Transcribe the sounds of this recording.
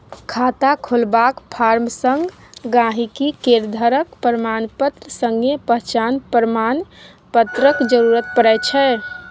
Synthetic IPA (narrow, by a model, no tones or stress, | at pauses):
kʰat̪akʰolbakpʰaɾmsəŋɡɡãɦikikeɾd̪ʱəɾəkpəɾəmanpət̪ɾəsə̃ŋɡepəɦt͡ʃanpɾəman | pət̪ɾəkd͡ʒəɾuɾət̪̚pəɾɛjt͡ʃʰɛ